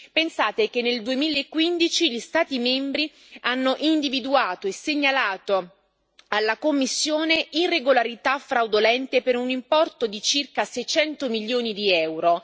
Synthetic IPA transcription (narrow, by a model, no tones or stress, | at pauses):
pensaːt̪ekenːeld̪uemiːlaekːwind̪it͡ʃiʎist̪aːt̪imɛmbɾi | anːoʔind̪ivid̪uaːt̪oesːeɲːalaːt̪o | alːakomːisːjoːneirːeɡolaɾit̪afɾawd̪olɛnt̪epeɾunimpɔrt̪od̪it͡ʃirkasɛjt͡ʃɛnt̪omilːjoːnid̪iɛwɾo